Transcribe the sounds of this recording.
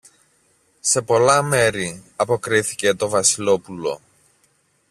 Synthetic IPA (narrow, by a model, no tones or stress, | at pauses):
se̞po̞lɐme̞ɾiɐpo̞kɾiθice̞t̪o̞vɐsilo̞pulo̞̰